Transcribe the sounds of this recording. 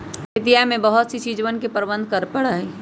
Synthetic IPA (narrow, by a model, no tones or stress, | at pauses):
ɪt̪ijamẽbəɦʊt̪sit͡ʃiːd͡ʒwənkepəɾbə̃nd̪̚ʱkɐɾpɐɽaɦi